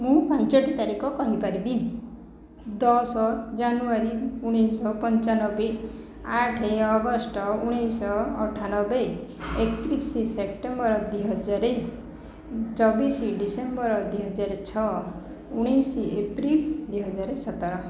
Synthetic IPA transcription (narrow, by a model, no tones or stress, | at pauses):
mũpɔnt͡ʃɔʈit̪aɾikɔkɔɦipaɾibi | d̪ɔsɔd͡ʒanuaɾiuɽ̃ijsɔpɔnt͡ʃanɔbe | aʈʰeɔɡɔsʈɔuɽ̃ijsɔːʈʰanɔbeekt̪ɾisisep̚ʈembɔɾɔd̪wiɦɔd͡ʒaɾe | t͡ʃɔbisiɖisembɔɾɔd̪wiɦɔd͡ʒaɾet͡ʃʰɔ | uɽ̃isiepɾild̪wiɦɔd͡ʒaɾesɔt̪ɔɾɔ